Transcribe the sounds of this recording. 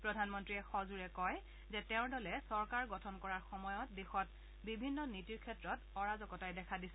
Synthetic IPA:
pɹɔdʱanmɔntɹiɛxɔzuɹɛkɔj | zɛtɛʊ̃dɔlɛsɔɹkaɹɡɔtʰɔnkɔɹaɹxɔmɔjɔt̚dixɔt | bibʱinːɔnitiɹkʰɛtɹɔtɔɹazɔkɔtajdɛkʰadisɛ

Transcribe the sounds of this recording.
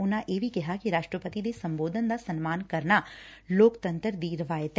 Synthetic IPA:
ʊnãʔeːbʱikɛɦakiɾaːʃʈɾəpət̪id̪esɐ̃mboːd̪ʱənd̪asɐnmaːnkɐɾnaloːkt̪ə̃nt̪əɾd̪iːɾɐʋaːjet̪ɛ

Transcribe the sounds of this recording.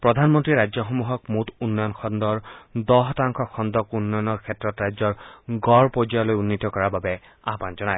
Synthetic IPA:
pɹɔdʱanmɔntɹiɹajzɔxomuɦɔk̚mutunːɔjɔnxʰɔnd̪ɔɹd̪ɔɦtaŋkʰɔxʰɔnd̪ɔkunːɔjɔnɔɹkʰɛtːɹɔtɹajzɔɹɡɔɹpozialojunːitɔkɔɹababɛ | a̰ɦpanzɔnaj

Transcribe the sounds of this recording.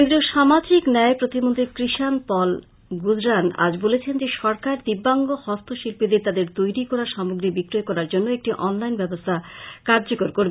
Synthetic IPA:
ed̪ɾioʃamad͡ʑiknɛepɾot̪imont̪ɾikɾiʃanpɔl | ɡud͡ʑɾana̰d͡ʑbolet͡ɕʰend͡ʑeʃɔɾkaɾd̪ibːaŋɡohɔst̪ʰoʃilpid̪eɾt̪ad̪eɾt̪ojɾikɔɾaʃamoɡɾibikɾoekɔɾaɾd͡ʑonːoek̚ʈiʔɔnlajnbɛbost̪ʰakaɾd͡ʑokoɾkoɾbe

